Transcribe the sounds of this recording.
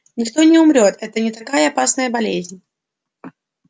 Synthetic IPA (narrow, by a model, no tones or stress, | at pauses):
nʲɪkt̪o̞nʲɪʊmɾʲo̞t̪ɛt̪ənʲɪt̪ɐkajəɐpasnəjəbɐlʲezʲnʲ